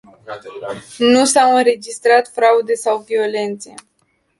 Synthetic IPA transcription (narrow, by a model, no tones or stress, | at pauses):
nusawɨnɾe̞d͡ʒist̪ɾat̪fɾaud̪e̞sawvio̞le̞nt̪se̞̰